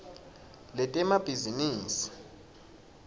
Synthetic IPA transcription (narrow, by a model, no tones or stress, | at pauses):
lɛtʼɛmab̥ʱiziniːsi̥